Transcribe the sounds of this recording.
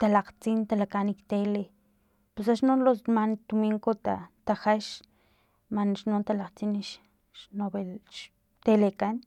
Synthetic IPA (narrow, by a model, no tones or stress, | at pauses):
t̪alaqt͡sint̪alakanikt̪ele | pesaʃnonlosmant̪umiŋkot̪at̪axaʃ | manʃnont̪alaqt͡siniʃ | ʃnobeʃ | t̪elekan